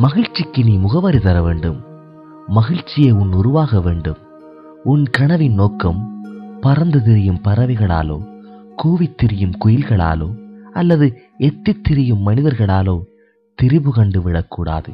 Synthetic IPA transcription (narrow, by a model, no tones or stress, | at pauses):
mɐɣɪɻt͡ʃːɪkːɯniːmʊɣɐʋɐɾit̪ɐɾɐʋeːɳɖɯmː | ɐɣɪɻt͡ʃːɪjeːʊnːʊɾʊʋaːɣɐʋeːɳɖɯm | ʊnkɐɳɐʋɪnnoːkɐmpɐɾɐnd̪ɯt̪ɪɾɪjɯmpɐɾɐʋɪɣɐɭa̰ːlo̰ː | kuːʋɪt̪ːɪɾɪjɯmkʊjɪlɣɐɭa̰ːlo̰ːɐlːɐðɯ | ɛt̪ːɪt̪ːɪɾɪjɯmːɐnɪðɐɾɣɐɭaːloː | t̪ɪɾɪbɯkɐɳɖɯʋɪɽɐkːuːɽa̰ːðɯ̰